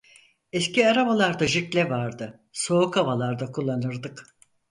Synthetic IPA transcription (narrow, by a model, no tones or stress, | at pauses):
ɛsciaɾabalˠaɾd̪aʒiklʲɛvaɾd̪ɯ | so̞ukʰavalˠaɾd̪akʰulˠːanɯɾd̪ɯk